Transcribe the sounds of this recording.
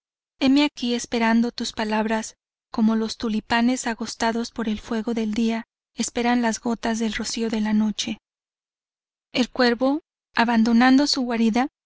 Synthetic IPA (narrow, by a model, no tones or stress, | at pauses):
e̞meakie̞spe̞ɾand̪o̞t̪uspalaβɾas | ko̞mo̞lo̞st̪ulipane̞saɣo̞st̪aðo̞spo̞ɾe̞lfwe̞ɣo̞ðe̞ld̪ia | e̞spe̞ɾanlazɣo̞t̪azðe̞lro̞sio̞ðe̞lano̞t͡ʃe̞ | elkwe̞ɾβo̞ | aβand̪o̞nand̪o̞suɣwaɾiða